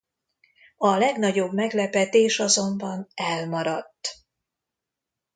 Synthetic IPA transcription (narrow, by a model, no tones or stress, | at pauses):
ɒlɛɡnɒɟo̞bmɛɡlɛpɛt̪eːʃɒzo̞mbɒnɛlmɒɾɒt̪ː